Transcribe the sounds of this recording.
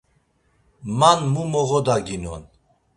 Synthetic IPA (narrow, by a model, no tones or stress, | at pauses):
manmumɔɣɔd̪aɡinɔ̰n